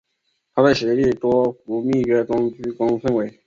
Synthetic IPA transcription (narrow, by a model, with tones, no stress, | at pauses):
t̪ʰa˥pa˥˩ɕɻɛ˧˥li˥˩t̪wɔ˥fu˧˥mi˥˩kɛ˥t̪ʊ˥ŋt͡ɕy˥kɑ˥ŋfə˥˧nwe˧˥ɪ